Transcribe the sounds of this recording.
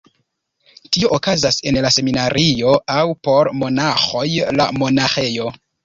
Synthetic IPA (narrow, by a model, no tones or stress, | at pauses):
tioʔokazase̞nlase̞minaɾʔio̞awpo̞ɾmo̞naxo̞jla̰mo̞naxe̞jo̞